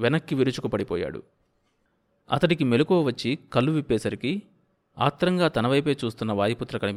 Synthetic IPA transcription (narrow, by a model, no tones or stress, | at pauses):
ʋɛnɐkːiʋiɾut͡ʃukupɐɽipɔːja̰ːɽṵ | ɐ̰t̪ɐʈikime̞lukɔːʋɐt͡ʃːikɐlːuʋipːɛːsɐɾiki | a̰ːt̪ɾɐŋɡaːt̪ɐnɐʋɐjpe̞ːt͡ʃuːst̪unːɐʋaːjɐput̪ːɾɐkɐnip